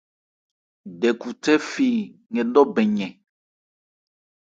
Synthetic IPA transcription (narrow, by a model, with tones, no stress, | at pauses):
ɖɛ˨ku˨t̪ɛ˦fi˨ŋɛ˨ɖɔ˦bɛ˨ɲɛ̃˨